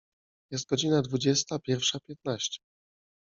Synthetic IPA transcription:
jɛs̬t̪̚ɡɔd͡ʑinad̪vud͡ʑɛst̪apʲjɛɾfʂapʲjɛt̪̚naɕt͡ɕɛ̥

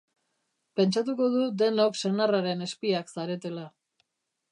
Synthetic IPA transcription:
pe̞nt͡ʃat̪uko̞ð̞ud̪e̞no̞kse̞naraɾe̞ne̞spiaksaɾe̞t̪e̞la

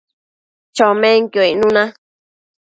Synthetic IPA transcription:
t͡ʃomẽŋkjoinũnã

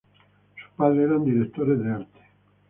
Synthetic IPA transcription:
su̥paðɾeeɾand̪iɾekt̪oɾeðeaɾt̪e̥

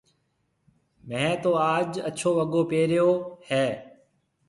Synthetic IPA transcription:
mɛ̃ːt̪oːaːd͡ʒə̰t͡ʃʰoːʋəɠoːpeːɾɪjoːhɛː

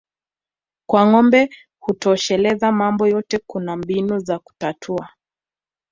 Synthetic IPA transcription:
kwaŋɔmbɛ | hutɔːʃɛlɛzamambɔjɔtɛkunambinuzaku̥tatʰua

